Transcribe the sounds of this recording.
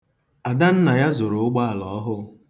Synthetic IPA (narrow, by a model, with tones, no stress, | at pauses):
a˨da˦n̩˦na˨ja˦zʊ˨ɾʊ˨ʊ˦ɡ͡ba˦a˨lɔ˨˦ɦʊ˦